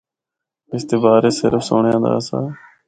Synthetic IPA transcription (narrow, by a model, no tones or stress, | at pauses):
ɪst̪eːbaːɾeːsɪɾfsoːɳjãːd̪a̰ːsa̰ː